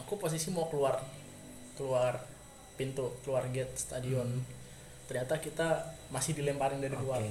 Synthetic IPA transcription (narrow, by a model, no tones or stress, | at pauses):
akupos̬isimaokəluar | kəluar | pint̪ukəluarɡɛt̪̚st̪adiɔn | t̪ərɲat̪akit̪amasɪhdilɛmpalɪŋdaɾikəluar